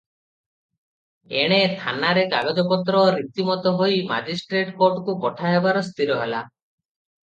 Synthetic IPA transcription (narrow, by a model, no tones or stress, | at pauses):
eɽ̃et̪ʰanaɾekaɡɔd͡ʒɔpɔt̪ɾɔɾit̪imɔt̪ɔɦojma̰d͡ʒisʈɾeʈkoɾʈkupɔʈʰajɦebaɾɔst̪iɾɔɦela̰